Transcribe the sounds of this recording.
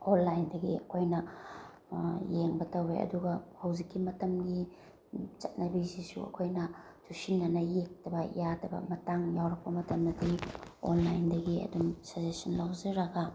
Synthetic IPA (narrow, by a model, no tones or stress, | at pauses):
olːajndɐɡiɐkʰojnɐ | jeŋbɐtɐweɐ̰duɡɐhɐwzikːimɐtɐmɡi | t͡ʃɐt̚nɐbisisṵɐ̰kʰojnɐ | tʰusinːɐnɐjek̚tɐbɐjadɐbɐ̰mɐtaŋjawɾɐk̚pɐmɐtɐmdɐdio̰nlajndɐɡiɐ̰dumsɐzesɐnlawzɐɾɐɡɐ